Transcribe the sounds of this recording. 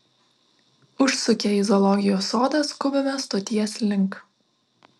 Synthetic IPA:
ʊʃsʊkʲɛɪzɔlˠɔɡʲɪjoːsoːd̪ɐskʊbʲɪmʲɛst̪oːt̪ʲiɛslʲɪŋˑk

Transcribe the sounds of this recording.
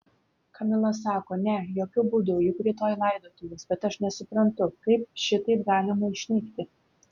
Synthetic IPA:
kɐmʲɪlˠɐs̬ɑːkoːnʲɛjoːkʲʊbuːd̪ʊjʊkɾʲiːt̪oːjlˠɐɪd̪oːt̪ujʲɛsbʲɛt̪ɐʃnʲɛsʊpɾɐnt̪ʊkɐɪp̚ʃʲɪt̪ɐɪpɡɑːlʲɪmɐɪʃʲnʲɪkt̪ʲɪ

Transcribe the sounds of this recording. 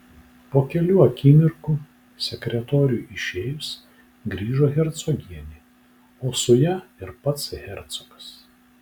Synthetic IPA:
poːkʲɛlʲuːɐkʲiːmʲɪɾkuː | sʲɛkʲɾʲɛt̪oːɾʲuːʔɪʃʲeːjʊs | ɡɾʲiːʒoːɣʲɛɾt̪sɔɡʲiɛnʲiː | oːsʊjɛɪɾpɐt̪sɣʲɛɾʲt̪sɔkɐ̥s

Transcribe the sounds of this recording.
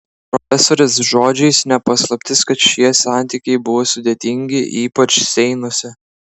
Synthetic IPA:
pɾɔfʲɛsoːɾʲɪsʒoːd͡ʒʲɛɪsnʲɛpɐslˠɐpʲt̪ʲɪskɐt̪ʃʲiɛsɑˑnʲt̪ʲiːkʲɛɪbʊʋoːsʊd̪ʲet̪ʲɪŋʲɡʲɪʔiːpɐt͡ʃsʲɛɪnʊsʲɪ

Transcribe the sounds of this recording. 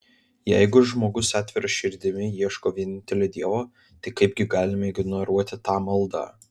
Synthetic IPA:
jɛ̰ɪɡʊʒmoːɡʊsæːt̪ʲʋʲɪɾɐʃʲɪɾʲd̪ʲɪmʲɪjiɛʃkoːʋʲiɛnʲɪnʲt̪ʲɛlʲeːd̪ʲiɛʋoː | t̪ɐɪkɐɪpʲɡʲɪɡɑːlʲɪmɐɪɡnɔɾuɔt̪ʲɪt̪ɑːmɐlˠd̪ɑ̰

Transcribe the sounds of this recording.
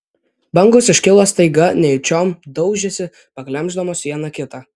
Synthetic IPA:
bɐŋɡosɪʃʲkʲɪlˠoːst̪ɐɪɡɐnʲɛjʊt͡ʃʲoːmd̪ɒʊʒʲɛsʲɪ | pɐklʲɛmʲˑʒd̪oːmoːsʋʲiɛnɐkʲɪt̪ɑː

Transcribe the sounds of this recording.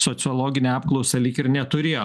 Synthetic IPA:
soːt̪sʲɪɔːlˠoːɡʲɪnʲeɑːpklˠɔʊsʲɛlʲiːkɪɾnʲɛt̪ʊɾʲeːjo

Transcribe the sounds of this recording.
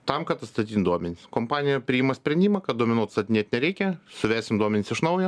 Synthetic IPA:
t̪ɐmkɐt̪ɐt̪st̪ɐt̪ʲit̪nd̪uɔmʲɛnʲɪsskoːmpɑːnʲɪjɛpʲɾʲɪɪːmɐsʲpʲɾʲɛnʲd̪ʲimɐkɐt̪̚d̪oɔmʲɪnuɔt̪st̪ɐt̪ʲɪnʲeɛt̪nʲɛɾʲɛɪkʲɛsʊʋʲæːsʲɪmd̪uɔmʲɛnʲɪsɪʃnɐʊjɛ

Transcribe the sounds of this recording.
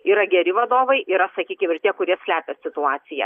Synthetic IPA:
iːɾɐɡʲɛɾʲɪʋɐd̪oːʋɐɪiːɾɐsɐkʲiːkʲɪmɪɾt̪ʲiɛkʊɾʲiɛsʲlʲæːpʲɛsʲɪt̪ʊɑːt̪sʲɪjɛ̰

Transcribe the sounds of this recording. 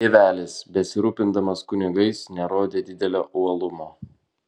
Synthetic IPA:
eʋʲæːlʲɪsbʲɛsʲɪɾuːpʲɪnd̪ɐmɐskʊnʲɪɡɐɪsnʲɛɾoːd̪ʲeːd̪ʲɪd̪ʲɛlʲo̰ːʔuɐlˠʊmoː

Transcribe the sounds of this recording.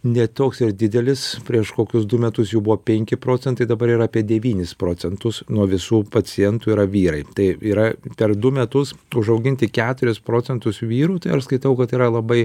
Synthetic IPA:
nʲɛt̪oːksɪɾd̪ʲɪd̪ʲɛlʲɪspʲɾʲiɛʃkoːkʲʊsd̪ʊmʲɛt̪ʊsjuːbʊʋoːpʲɛŋʲkʲɪpɾoːt͡sʲɛnt̪ɐɪd̪ɐbɐɾiːɾɐːpʲiɛd̪ʲɛʋʲiːnʲɪspɾoːt͡s̪ʲɛnt̪ʊsnuɔʋʲɪsuːpɐt͡sʲɪjɛnt̪uiːɾɐʋʲiːɾɐɪt̪ɐɪiːɾɐpʲɛɾd̪ʊmʲɛt̪ʊsʊʒɐʊɡʲɪnʲt̪ʲɪkʲæːt̪ʊɾʲɪspɾoːt͡sʲɛnt̪ʊsʋʲiːɾuːt̪ɐɪɐʃskɐɪt̪ɐʊkɐt̪iːɾɐlˠɐbɐɪ

